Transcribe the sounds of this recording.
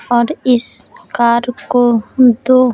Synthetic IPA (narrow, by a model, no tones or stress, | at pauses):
ɔɾɪskaɾkod̪o